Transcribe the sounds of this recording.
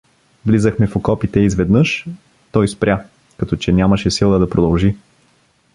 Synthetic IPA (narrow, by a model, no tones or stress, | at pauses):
vlizəxmɛfokɔpit̪ɛizvɛd̪nɤʃ | t̪ɔjspɾʲa | kɐt̪ɔt͡ʃɛnʲamɐʃɛsilˠəd̪ɐpɾod̪ɐlˠʒi